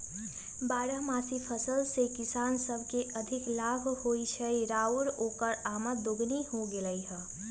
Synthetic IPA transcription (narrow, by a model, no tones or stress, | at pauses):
baːɾəɦmasipʰəsəlsekɪsaːnsəbʱkeʔəd̪ʱiklabʱhoit͡ʃʰəjɾauɾokəɾamət̪d̪oɡniɦoɡeləjɦə